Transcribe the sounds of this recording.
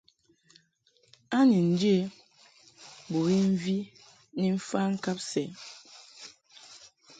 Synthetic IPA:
a˦ni˨n̩˨d͡ʒe˦˨ | bo˨e˦m̩˦vi˦ | ni˨m̩˦fa˦ŋ̩˦ka˦p̚sɛ˨

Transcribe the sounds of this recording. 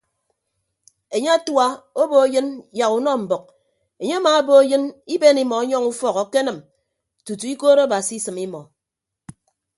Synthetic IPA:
e˨ɲe˦a˦twa˦o˦bo˦jɨ˦nja˨ku˨nɔ˦m̩˨bɔ˨k̚ | e˨ɲe˦a˦maː˨a˦bo˦jɨ˦ni˦be˦ni˦mɔ˨a˦ɲɔ˦ŋu˦fɔ˦kɔ˨ke˦nɨ˨m | tu˨tu˨i˦koː˦ɾo˦a˦ba˨si˨˦sɨ˨mi˦mɔ˨

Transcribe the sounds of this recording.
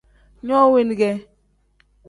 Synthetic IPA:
ɲɔ˦we˦n˨ɡɛ˦

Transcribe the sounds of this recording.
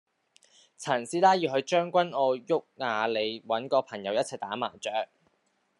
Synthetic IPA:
t͡sʰɐ˨˩nsiː˧˥laː˥jiː˧wɦɵ˧ɥt͡ʃœː˥ŋkʷɐ˥nɔː˧jʊ˥k̚ŋaː˨˧le˨˧jwɐ˨˥nkɔː˧pʰɐ˨˩ŋjɐ˨˧wjɐ˥t̚t͡sʰɐ˨˩jt̪aː˨˥ma̰ː˨˩t͡ʃœː˨˥k̚

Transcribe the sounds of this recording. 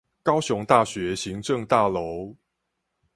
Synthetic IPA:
kɑ˥˦ʊɕʊ˧˥ŋt̪a˥˨˩ɕɥɛ˨˦ɕi˨˦ŋʈ͡ʂɤ˥˨ŋt̪a˥˩lo˨˦ʊ

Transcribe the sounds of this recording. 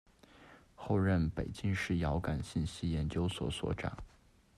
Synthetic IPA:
xo˥˧ʊɻə˥˩npe˨˩ɪt͡ɕi˥ŋʂɻ̩˥˩jɑ˧˥ʊka˨˩nɕi˥˩nɕi˥jɛ˧˥nt͡ɕjo˥ʊswɔ̰˨˩swɔ̰˨˥ʈ͡ʂa̰˨˩˦ŋ

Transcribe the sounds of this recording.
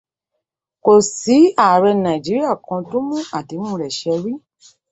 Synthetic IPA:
ko˨si˨˦a˦˨ɾɛ˧nã˨i˨d͡ʒi˨˦ɾi˦a˦˨kʰã˧tõ˦mũ˦a˨ti˨˧˦mũ˦˨ɾɛ˨ʃɛ˧ɾi˦

